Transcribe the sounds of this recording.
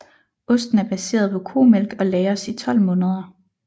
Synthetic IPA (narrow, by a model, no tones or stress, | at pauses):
ɔ̽sd̥n̩æɐb̥æse̝̰ːɐð̞ˠpʰɒ̽kʰo̝̰ːmelɡ̥ɒ̽lɛɪɐsit͡sʰɒ̽l̰mɔ̽ːnəð̞ˠɐ